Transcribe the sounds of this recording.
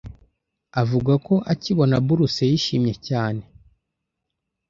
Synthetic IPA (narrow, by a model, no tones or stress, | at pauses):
avuɡako̞ʔaciβo̞nabuɾusejiʃimɲe̞caːne̞